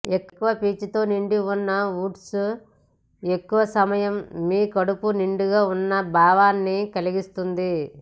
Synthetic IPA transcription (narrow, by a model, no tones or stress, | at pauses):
ekːkːuʋɐpiːt͡ʃit̪o̞ːniɳɖiunːɐuːʈsu | e̞kːuʋɐsɐmɐjɐmːiːkɐɽupuniɳɖuɡaːunːɐbʱaːʋaːnːikɐliɡist̪und̪i